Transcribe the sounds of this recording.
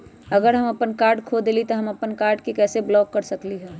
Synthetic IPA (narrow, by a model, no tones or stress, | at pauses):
ɐɡəɾɦɐmɐpənkaːɾɖkʰoːd̪elit̪oɦɐmɐpənkaːɾɖkikɛːseblɔːkːɐɾsɐkliɦɛː